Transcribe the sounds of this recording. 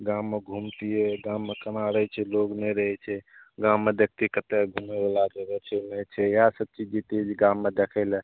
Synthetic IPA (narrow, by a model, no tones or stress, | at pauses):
ɡãmːeɡʱumt̪ieɡãmːekənaɾəɦɛt͡ʃʰɛloɡnɛɾəɦɛt͡ʃʰɛɡãmːed̪ek̚ʰt̪ikət̪eɡʱumebelaɡd͡ʒebɛt͡ʃʰɛnɛt͡ʃʰɛjasəb̚t͡ʃid͡ʒit̪id͡ʒɡãmːed̪ekʰəlɛ